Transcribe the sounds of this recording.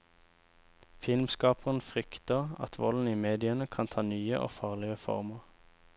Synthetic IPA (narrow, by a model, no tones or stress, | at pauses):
fɪlmskɑːpʰəʁən̩fʁʏkt̪əʁɑ̰t̪ʰʋɔln̩iːmeːd̪ɪənəkʰɑnt̪ʰɑːnyːə̰ʔo̰ːfɑːʁlɪəfɔ̰ʁməʁ